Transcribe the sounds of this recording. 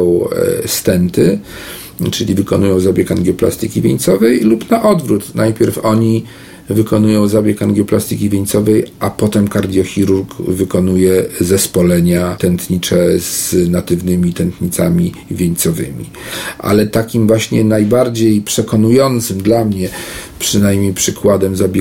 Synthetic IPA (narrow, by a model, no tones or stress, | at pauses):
w̃st̪ɛnt̪ɘ | t͡ʂɘlʲivɘkɔnujɔ̃w̃zabʲjɛkanɡʲjɔpla̰st̪ɘkʲivʲjeɲt̪sɔvɛjlupnaʔɔd̪vɾut̪nʔajpʲjɛɾfɔɲi | vɘkɔnujɔ̃w̃zabʲjɛkanɡjɔplast̪ɘkʲivʲjeɲt̪sɔvɛjʔapɔt̪ɛmkaɾd̪ʲjɔxʲiɾuɾkvɘkɔnujɛzɛspɔlɛɲat̪ɛnt̪ɲit͡ʂɛz̥nat̪ɘvnɘmʲit̪ɛnt̪ɲit̪samʲi | vʲjeɲt̪sɔvɘ̰mʲḭ | ʔa̰lɛt̪akʲimvwaɕɲɛnajbaɾd͡ʑejpʂɛkɔnujɔnt̪sɘmd̪lamɲɛpʂɘnajmʲɲejpʂɘkwad̪ɛmzabʲ